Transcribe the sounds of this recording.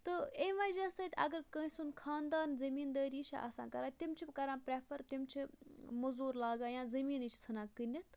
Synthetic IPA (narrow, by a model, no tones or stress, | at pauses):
t̪ɨemʋɐd͡ʒɐsɐt̪ʲɐ̰ɡəɾkə̃ːĩsunkʰaːnd̪aːnzɐmiːnd̪əːɾiːt͡ʃʰa̰ʔɐ̰sã̰ːkɐɾaːt̪imt͡ʃʰibkɐɾãːpɾɛpʰɐɾt̪ʲimt͡ʃʰimɐzuːɾlaːɡaːjãːzɐmiːnit͡ʃʰt͡sʰɨnãːkɨnʲit̪ʰ